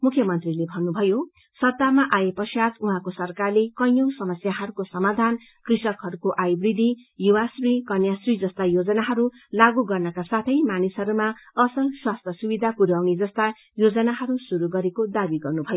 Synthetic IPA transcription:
mukʰjʌmʌnt̪rilebʱʌnːubʱʌjo | sʌt̪ːamaʔajepʌsjat̪uɦãkosʌrkarlekʌjʌwsʌmʌsjaɦʌɾukosʌmad̪ʱan | krisʌkɦʌɾukoʔajbrid̪ʱijuwasrikʌnjasrid͡zʌst̪ajod͡zʌnaɦʌɾu | laɡuɡʌrnʌkasat̪ʰʌjmanisɦʌɾumaʌsʌlswast̪ʰjʌsubid̪ʱapuɾawnid͡zʌst̪a | jod͡zʌnaɦʌɾusuɾuɡʌɾekod̪abiɡʌrnubʱʌjo

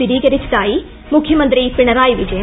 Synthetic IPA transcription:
iɾiːɡɐɾit͡ʃt̪aːji | mukʰjɐmɐnt̪ɾipiɳɐɾaːjiʋid͡ʒɐj

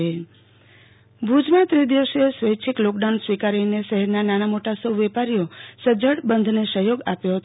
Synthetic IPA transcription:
e | bʱud͡ʒmãt̪ɾid̪iʋəʃesʋəjt͡ʃʰiklɔk̚ɖansʋikaɾineʃəɦɛɾnanañamoʈasəwʋɛpaɾijosəd͡ʒəɽbənd̪ʱnesəɦjoɡapjoɦət̪

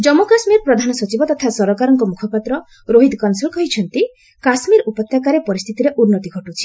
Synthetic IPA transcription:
d͡ʒɔmokasmiɾpɾɔd̪ʱanɔsɔt͡ʃibɔt̪ɔt̪ʰasɔɾɔkaɾɔŋkɔmukʰɔpat̪ɾɔ | ɾoɦid̪kɔnsulkɔɦit͡ʃʰɔnt̪i | kasmiɾupɔt̪ːjakaɾepɔɾist̪ʰit̪iɾeʔunːɔt̪iɡʱɔʈut͡ʃʰi̥

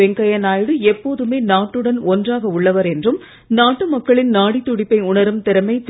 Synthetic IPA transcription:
ɛŋɡɐjɐnaːjɽɯɛpːoːðɯmeːnaːʈːɯɽɐnɔndraːɣɐʊɭːɐʋɐɾɛndrɯm | naːʈːɯmɐkːɐɭɪnnaːɽit̪ːʊɽɪpːɐɪʊɳɐɾɯmt̪ɪɾɐmɐɪt̪

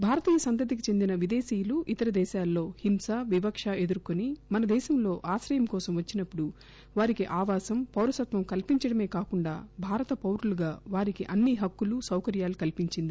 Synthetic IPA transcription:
bʱaːɾɐt̪iːjɐsɐnt̪̬ɐd̪ik̬it͡ʃe̞nd̪inɐʋid̪eːsiːjuluʔit̪ɐɾɐd̪ɛːʃaːlːo̞ːhimsaʋiʋɐkʂaʔe̞d̪uɾkonimɐnɐd̪ɛːʃɐmlo̞ːʔaːʃɾɐjɐmkɔːsɐmʋɐt͡ʃːinɐpːuɽu | ʋaːɾikiʔaːʋaːsɐmpɐwɾɐsɐt̪ʋɐmkɐlpiɲt͡ʃɐɽɐme̞ːkaːkuɳɖa̰ːbʱaːɾɐt̪ɐpɐwɾuluɡaːʋaːɾikiʔɐnːiɦɐkːulusɐwkɐɾjaːlukɐlpiɲt͡ʃind̪i

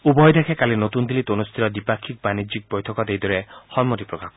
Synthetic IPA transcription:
ubɔɦɔjd̪ekʰekalinot̪und̪ilit̪onust̪ʰiɾɔd̪ipakʰːik̚banid͡ʒik̚bɔjt̪ʰɔkɔd̪ejd̪ɔɾehɔnmot̪ipɾɔkak

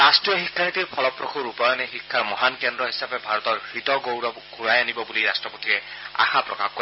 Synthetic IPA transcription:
astɹijɔxikʰːanit̪ipʰɔlɔpɹɔxʰuɹupajɔnexikʰːaɹmɔɦankɛndɹɔɦisapɛbʱaɹɔt̪ɔɹxɹit̪ɔɡowɹɔbɡʱuɹajanibɔbuliɾastɹɔpot̪iɹɛa̰xapɹɔ̰ka̰xkːɔ

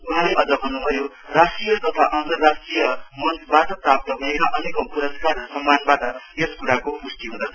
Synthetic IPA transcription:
uɦalaʔʌd͡zʌbʱʌnːubʱʌjo | rasʈrijʌk̪ʌt̪ʰaʔʌnt̪ʌrːasʈrijʌmʌnbat̪ʌt̪ap̚t̪ʌbʱʌekʌʔʌnekʌmkuɾʌskarsʌmːanbat̪ʌeskuɾakopusʈiɦũnd̪ʌt͡sʰʌ

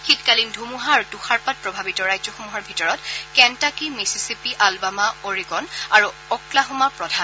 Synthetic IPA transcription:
xitkalindʱumuɦaɹutuxaɹpat̚pɹɔbʱabitɔɹajzɔxomuɦaɹbʱitɔɹɔtkɛntakimisisipiʔalbamaoɹiɡɔnaɹuɔklaɦɔmapɹɔdʱan

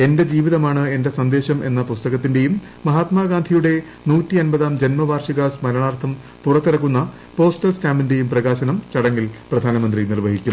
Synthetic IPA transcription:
e̞nde̞d͡ʑiːʋiðɐmaːɳɨe̞nde̞sɐnd̪e̞ːɕɐmʔe̞̰nːɐpust̪ɐɣɐt̪ːinde̞jumː | ɐɦaːt̪maːɡaːnd̪ʱijuɽe̞ | nuːtːiɐnbɐðaːmd͡ʑe̞nmɐʋaːrʂiɣaːsmɐɾɐɳaːrt̪ʰɐm | purɐt̪ːiɾɐkːunːɐ | po̞ːstɐlskaːminde̞jumprɐɣaːɕɐnɐmt͡ɕɐɽɐŋːilprɐd̪ʱaːnɐmɐnd̪rinirʋɐɦikʲːum

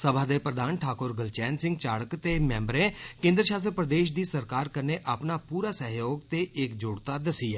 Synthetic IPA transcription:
səbʱaːd̪eːpɾəd̪aːnʈʰaːkʊɾɡəlt͡ʃɛːnsɪ̃ŋɡ̚t͡ʃaːɽəkt̪eːmɛ̃ːmbɾẽːkẽːnd̪ɾəʃaːsɾpɾəd̪eːʃ̬d̪iːsəɾkaːɾkəɾneːʔaːpnaːpuːɾaːsɛɦjoːɡt̪eːʔɪkd͡ʒʊːɽt̪aːd̪əsiːɛː

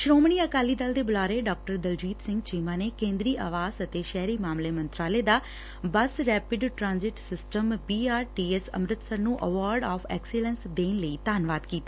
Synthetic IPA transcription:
ʃɾoːmɳiːəkaːliːd̪əld̪eːbʊlaːɾeːɖɔːk̚ʈəɾd̪əld͡ʒiːt̪sɪ̃ŋɡt͡ʃiːmãːneːkẽːnd̪ɾiːʔa̰ːʋaːzət̪eːʃɛːɾiːmaːmleːmə̃nt̪ɾaːleːd̪aː | bəsɾɛːpɪɖʈɾãːnzɪʈsɪsʈəmpiːaːɾʈiːɛsə̰mɾɪt̪səɾnũːʔəʋaːɾɖaːfʰɛ̰ːksɪlənsd̪eːnləiːt̪aːnʋaːd̪kiːt̪aː

